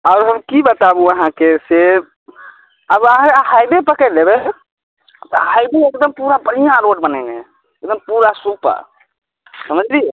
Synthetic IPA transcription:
aʊɾɦəmkibət̪abuəɦãkese | əbəɦãkeɦajbepəkəɪlebe | t̪ɔhajbeekd̪əmpuɾabəɽijãɾoʈbənəɪnḛ | ekd̪əmpuɾasupa̰ | səməd͡ʒli

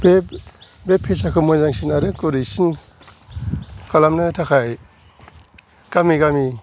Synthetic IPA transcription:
bebepʰːesakʰɔmɔjzaŋsinaɾɯkuɾisin | kalamnɯtʰakʰaj | ɡ̥amiɡami

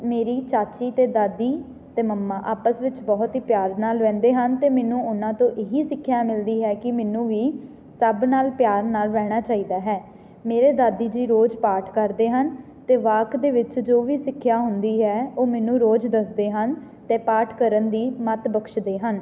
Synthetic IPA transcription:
meːɾiːt͡ʃaːt͡ʃiːt̪eːd̪aːd̪iː | t̪eːməmːãːʔaːpəsʋɪt͡ʃbɔːt̪ɦiːpjaːɾnaːlʋɛ̃ːnd̪eːɦənt̪eːmɛːnũːʊnãːt̪õːʔeɦiːsɪkʰːjaːmɪld̪iːɦɛːkɪmɛːnũːʋiː | səbnaːlpjaːɾnaːlʋɛːɽ̃aːt͡ʃaːiːd̪aːɦɛː | meːɾeːd̪aːd̪iːd͡ʒiːɾoːd͡ʒpaːʈʰkəɾd̪eːɦən | t̪eːʋaːkd̪eːʋɪt͡ʃd͡ʒoːʋiːsɪkʰːjaːɦʊnd̪iːɦɛːoːmɛːnũːɾoːd͡ʒd̪əsd̪eːɦən | t̪eːpaːʈʰkəɾənd̪iːmət̪bəkʃd̪eːɦən

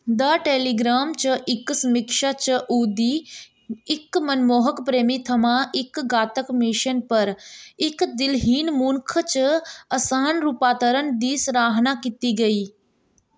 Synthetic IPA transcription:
d̪ɐʈeːliːɡɾaːmt͡ʃɐʔɪkːsmɪkʃat͡ʃəʔuːd̪iː | kmɐnmoːɦəkpɾeːmit̪ʰɐmaːʔɪkɡaːt̪əkmiʃənpɐɾɪkd̪ɪlɦiːnmuːnkʰət͡ʃəɐsaːnɾuːpaːt̪əɾənd̪iːsɾaːɦnakit̪iɡɐiː

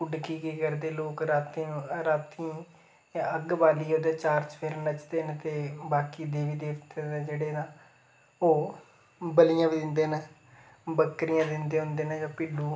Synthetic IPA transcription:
kʊɖkiːkiːkəɾd̪eːloːkɾaːt̪iɾaːt̪i | ãːəɡbaːliːɦõːd̪ãːt͡ʃaːɾt͡ʃpʰɪɾnət͡ʃd̪eːnt̪eːbaːkiːd̪eːʋiːd̪eːʋt̪ed͡ʒeːɽeːnaː | oː | bəlijãːʋiːd̪ɪnd̪eːnə | bəkɾɪjãːd̪ɪnd̪eːɦʊ̃nd̪eːnəd͡ʒãːpiːluː

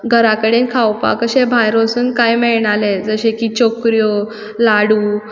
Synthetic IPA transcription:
ɡʱəɾakəɽenkʰawpa̰kəɕebʱajɾosuːnkajmɛɭɳaled͡zəɕekiːt͡ɕokɾjo | laɽuː

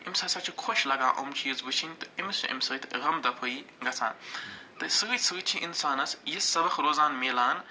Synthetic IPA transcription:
imsaːsat͡ʃʰikʰoʃlɐɡaːʔomt͡ʃʰijizbɨt͡ʃʰinʲt̪ɨimisʰṵʔḭmsɐt̪ʰɣɐmd̪ɐpʰɨiŋɡɐt͡sʰa̰ːnt̪ɨsɨɣɨsɨɣt͡ʃʰĩʔinsaːnɐsjissɐbɐxɾoːzaːnmeːlaːn

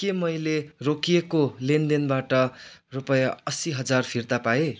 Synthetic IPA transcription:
kemʌjlerokiekolend̪enbaʈʌrupʌjaʌsiɦʌd͡zarpʰirt̪apae

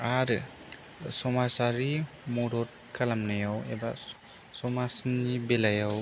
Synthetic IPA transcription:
aɾ | sɔmasaɾi | mɔɾɔt̚kʰalamnajawḛba | sɔmasnibelajaw

